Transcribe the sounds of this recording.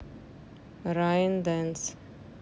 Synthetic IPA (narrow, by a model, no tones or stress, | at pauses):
ɾajə̃nd̪ɛ̃ns